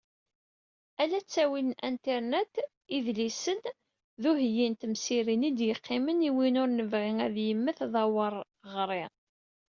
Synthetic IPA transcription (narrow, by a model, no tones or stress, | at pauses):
ælæt͡sːæwilʔænt̪ɛɾnet̪ | iðlisən | ðuɦjint̪msiɾinid̪jəqʰːɪməniwinʊɾnəvʁiŋæðjəmːəθðˤɑwəɾˤ | ʁɾˤɪ